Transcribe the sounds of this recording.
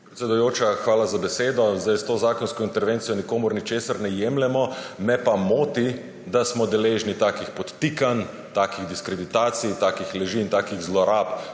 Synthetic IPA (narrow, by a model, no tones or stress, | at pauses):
pɾet̪sʲɛd̪ujoːt͡ʃaxʋaːlazabɛseːd̪ɔzd̪ajst̪oːzaːkɔnskɔint̪ɛɾʋeːnt̪sijɔnikoːmʊɾnit͡ʃeːsaɾnɛjemlɛmɔmɛpamoːt̪i | d̪asmɔd̪ɛleːʒnit̪aːkixpɔt̪ːikan | t̪aːkiɣd̪iskɾɛd̪it̪aːt̪sijt̪aːkixlɛʒiːnt̪aːkiɣzlɔɾaːp